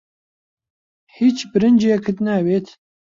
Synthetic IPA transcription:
hiːt͡ʃbɨɾɨnd͡ʒɛkʰɨt̪næweːt̪

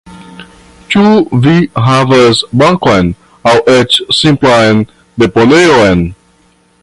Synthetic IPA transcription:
tuviɦavəsbãŋkɔ̃n | awʔɛt͡ʃsĩmplãj̃n | d̪eponeoɛ̃n

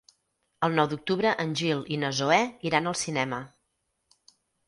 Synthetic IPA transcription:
əlˠnɔwd̪uk̚t̪uβɾəʔənʲʒilˠinəzoɛiɾanəlˠsinɛmə

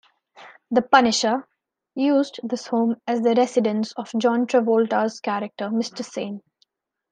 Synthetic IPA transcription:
d̪əpʌnɪʃə | juːzɖd̪ɪshõːmæzd̪əɾɛsɪɖə̃nsɔʋd͡ʒɔ̃ːnʈɾɛʋoːlʈəz̥kæɾək̚ʈəmɪsʈəsẽːn

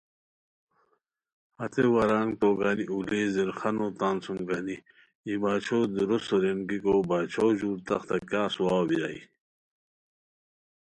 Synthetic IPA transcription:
hɐt̪ewɐɾaːŋt̪oːɡaːniʔuleːziɾxɐnot̪aːnsuŋɡaːni | ibaːt͡ɕʰoːd̪uɾusoɾenɡikoːbaːt͡ɕʰoːʑuːɾt̪ɐ̰xt̪ɐkjaːsuwaːwbiɾa̰ḭ

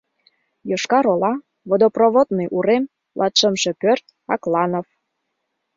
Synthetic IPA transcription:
joʃkɑɾolɑ | βod̪oproβot̪neʔuɾem | lʔɑt̪ʃəmʃĕpørt̪ | ɑklɑnof

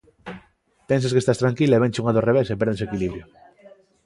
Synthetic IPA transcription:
penseskest̪ast̪ɾaŋkilaeβeɲt͡ʃuŋaðoreβ̞esep̬eɾðesekiliβɾjo

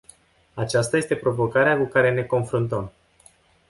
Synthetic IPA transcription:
at͡ʃast̪aje̞st̪e̞pɾo̞vo̞kaɾeakukaɾe̞ne̞ko̞nfɾunt̪əm

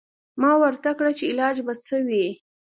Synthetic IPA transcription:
mɑwəɾt̪akɽat͡ʃeɪlɑd͡ʒbat͡səwi

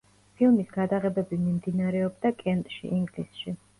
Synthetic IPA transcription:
pʰilˠmisɡad̪aʁɛbɛbimimd̪inaɾɛɔbd̪akʼɛnt̪ʼʃḭʔiŋɡlisʃi

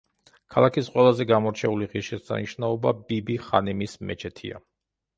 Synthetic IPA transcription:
kʰalˠakʰisqʼwɛlˠazɛɡamɔɾt͡ʃʰɛuliʁiʃisa̰niʃnaɔbabibiχa̰nimismɛ̰t͡ʃʰɛt̪ʰḭa̰

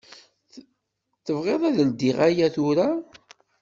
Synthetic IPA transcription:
θəvʁeðˤæðld̪iʁajæθʊɾa

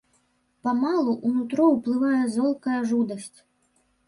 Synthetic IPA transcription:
pɐmalˠuʔunut̪ɾɔwplˠɨvajɛzɔlˠkɐjɐʐud̪ɐsʲt͡sʲ

